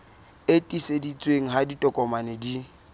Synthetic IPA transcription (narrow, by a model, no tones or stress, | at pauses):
etʼisedit͡sʼweŋ̩ɦaditʼɔkʼɔmanɪdi